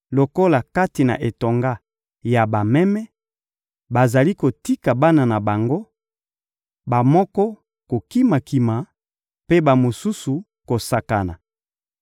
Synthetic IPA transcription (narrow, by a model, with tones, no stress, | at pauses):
lo˨ko˦la˨ka˦ti˨na̰˨ʔe˨to˨ŋɡa˦ | ja˨ba˨mɛ˦mɛ˦ | ba˨za˨li˦ko˨ti˦ka˨ba˦na˨na˨ba˨ŋɡo˦ | ba˨mɔ˦kɔ˦ | ko˨ki˦ma˨ki˨ma˨ | pe˦ba˨mo˨su˦su˨ | ko˨sa˨ka˨na̰˨